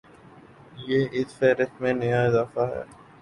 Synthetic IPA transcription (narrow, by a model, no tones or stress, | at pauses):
jeːʔɪsfɛːɾɪst̪mẽnɐjaɪzaːfaɦɛ̰ː